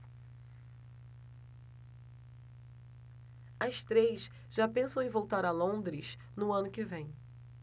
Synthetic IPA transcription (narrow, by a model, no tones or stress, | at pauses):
ɐst̪ɾejs | ʒapẽsɐ̃w̃ẽj̃vowt̪aɾɐlõd̪ɾɪʃ | nʊɐ̃nʊkɪvẽj̃